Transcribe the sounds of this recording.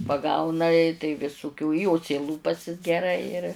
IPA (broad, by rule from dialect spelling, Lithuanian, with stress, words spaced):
pɐˈɡɐʊnɐ ɪ tɐɪ ʋʲɪsʊˈkʲuː ˈjoː t͡sʲɛɪˈlˠuːpɐsʲɪs ɡʲɛˈrɐɪ ɪr